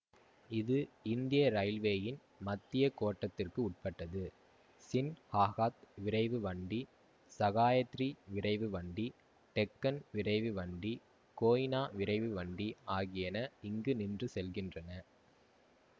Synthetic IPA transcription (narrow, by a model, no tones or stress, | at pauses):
ɪðɯɪnd̪ɪjɐɾɐɪlʋeːjɪn | mɐt̪ːɪjɐkoːʈːɐt̪ːɪrkɯʊʈ̚pɐʈːɐðɯ | sɪnhaːɣaːt̪ʋɪɾɐɪʋɯʋɐɳɖi | sɐɣaːjɐt̪ːriʋɪɾɐɪʋɯʋɐɳɖi | ʈɛkːɐnʋɪrɐɪʋɯʋɐɳɖi | koːjɪnaːʋɪɾɐɪʋɯʋɐɳɖiaːɣɪjɐnɐɪŋɡɯnɪndrɯsɛlɣɪndrɐnɐ